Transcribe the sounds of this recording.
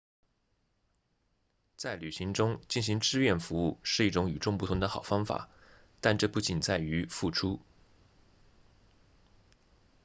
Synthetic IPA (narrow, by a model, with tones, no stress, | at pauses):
t͡sa˥˩ɪly˨˩ɕi˧˥ŋʈ͡ʂʊ˥ŋt͡ɕi˥˩nɕi˧˥ŋʈ͡ʂɻ̩˥˧ɥɛ˥˩nfu˧˥u˥˧ʂɻ̩˥˧i˥˩ʈ͡ʂʊ˧˥ŋy˨˩ʈ͡ʂʊ˥˧ŋpu˥˩t̪ʰʊ˧˥ŋd̪ə˧xɑ˨˩ʊfɑ˥ŋfa̰˨˩˦ | t̪a˥˧nʈ͡ʂɤ˥˧pu˥˩t͡ɕi˨˩nt͡sa˥˩ɪy˧˥fu˥˩ʈ͡ʂʰu˥